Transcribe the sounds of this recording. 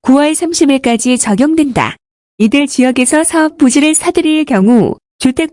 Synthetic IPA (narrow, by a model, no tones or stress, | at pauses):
kuwʌɭsʰamɕʰibiɭk͈ad͡ʑit͡ɕʌɡjoŋdwenda̰ | idɯɭt͡ɕijʌɡe̞sʰʌsʰaʌp̚p͈ːud͡ʑiɾɯɭsʰadɯɾiɭkjʌŋu | t͡ɕutʰe̞k̚